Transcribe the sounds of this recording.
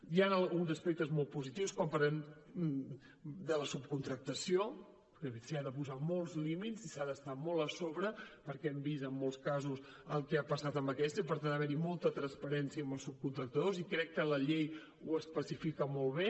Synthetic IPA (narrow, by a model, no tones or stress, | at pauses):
janəlˠɣunzəspek̚t̪əzmɔlˠt̪̚puzit̪iwskwampəɾen | d̪ələsup̚kunt̪ɾək̚t̪əsio | kəsiaðəpuzamɔlˠzlimit̪zisaðəst̪amɔlˠəsoβɾəpəɾkɛɛmbisəmːolˠskazus | əlˠkɛapəsat̪əmbəkɛst̪əipəɾt̪and̪əβɛɾimɔlˠt̪ət̪ɾənspəɾɛnsiəmbəlˠsup̚kunt̪ɾək̚t̪əðozikɾɛkːələʎej | uəspəsifikəmɔlˠβe